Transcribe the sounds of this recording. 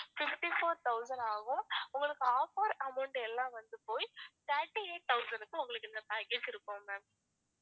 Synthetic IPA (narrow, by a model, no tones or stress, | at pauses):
fɪfʈifoːɾt̪ɐʊsɐ̃ɳɖaːɣʊ̃ʊŋɡɐɭɯkːɯaːpaːɾɐmɐʊɳʈɛlːãːʋɐnd̪ɯpoːjsaːʈːieːt̪ɐʊsɐnɖɯkːɯ̃ʊŋɡɐɭɯkːɛnd̪ɐpaːkeːd͡ʒɪɾɯkːʊ̃mɐ